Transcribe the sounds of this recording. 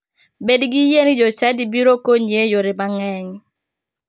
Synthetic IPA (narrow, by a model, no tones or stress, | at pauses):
bedɡijend͡ʒɔt͡ʃadibiɾokoɲejoɾɪmaŋɛɲ